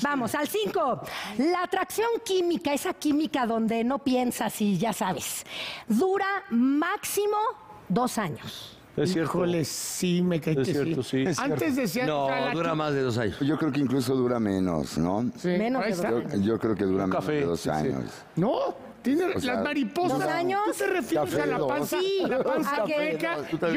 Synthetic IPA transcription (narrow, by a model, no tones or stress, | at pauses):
bamo̞salsiŋko̞laːt̪ɾaksjo̞ŋkimikaesakimikaðo̞nd̪e̞no̞pje̞nsasiʝasaβesðuɾamaksimo | ðo̞saɲos | esjeɾoleimekejseɾiosisanezðes̬ianoðuɾamazðeðos̬aɲosʝokɾeokeiŋklus̬oðuɾamẽno̰snosimẽnoaoʝokɾeoke̞ðuɾamafeeðo̰sa̰ɲo̰s | no | t̪jeneslasmaɾiposoaɲost̪erefjɾalapasiapansaeekau